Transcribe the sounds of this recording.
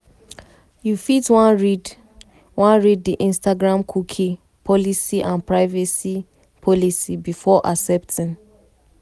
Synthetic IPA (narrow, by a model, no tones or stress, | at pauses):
jufitwãnɹid | wãnɹiddiʔĩnstaɡɹãmkʰukʰi | pʰɔlisiʔãnpɹaɪvɛsi | pʰɔlisibifɔʔasɛptʰĩn